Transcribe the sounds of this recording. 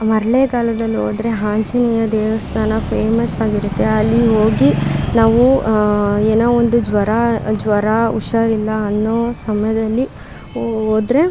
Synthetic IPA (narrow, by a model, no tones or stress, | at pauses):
mɐɾɐlekaːlɐd̪ɐlːio̰ːd̪ɾeɦaːɲt͡ʃinijɐd̪ɛːʋɐst̪ʰaːnɐpʰeːmɐsaːɡiɾut̪ːe̞ɐlːiɦoːɡinaːʋu | eːnoːond̪ud͡ʒʋɐɾad͡ʒʋɐɾaṵʃɐɾilːɐːnːoːsɐmɐjɐd̪ɐlːi | oːd̪ɾe̞